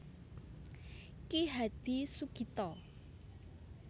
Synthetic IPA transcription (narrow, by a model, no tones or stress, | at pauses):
kiɦat̪̚b̥isukit̪ɔ